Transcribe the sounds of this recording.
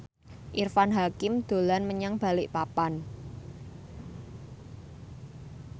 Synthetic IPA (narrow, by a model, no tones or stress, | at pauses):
ʔirfanɦakɪmd̪̥o̤lanməɲaŋb̥a̤lɪʔpapan